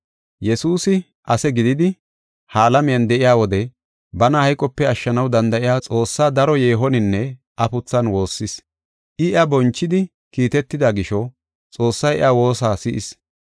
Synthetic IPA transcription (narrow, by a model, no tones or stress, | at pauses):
jɛsuːsɪ | ʔɐsɛɡɪd̪ɪd̪ɪ | haːlɐmɪjɐnd̪ɛʔɪjaːwɔd̪ɛ | bɐnɐhɐjkʼɔpːɛɐʃːɐnɐwd̪ɐnd̪ɐʔɪjaːt͡sʼo̞ːsːaːd̪ɐɾɔjeːɦɔnɪnːɛ | ʔɐpʊt͡sːɐnwo̞ːsːɪs | ʔɪɪɐbɔnt͡ʃːɪd̪ɪ | kiːt̪ɛt̪ːɪd̪aɡɪʃɔ | t͡sʼo̞ːsːɐjɛ̰ʔɐwo̞ːsaːsɪʔɪs